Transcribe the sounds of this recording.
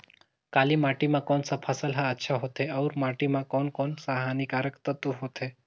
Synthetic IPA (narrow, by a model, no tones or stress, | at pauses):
kaːlimaːʈimãkɔːnsapʰasəlɦaətːʃʰaɦot̪ɦeɐʊɾmaːʈimãkɔːnkɔːnsaɦanikaːɾəkt̪ət̪uɦot̪e